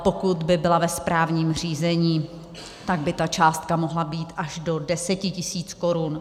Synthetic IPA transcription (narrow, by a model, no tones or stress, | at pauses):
po̞kut̪bɪbɪlavɛspɾaːvɲiːmr̝iːzɛɲiː | t̪aɡ̚bɪt̪at͡ʃaːst̪̚kamo̞ɦlabiːt̪ʔaʒdo̞dɛsɛcɪcɪsiːt͡sko̞ɾun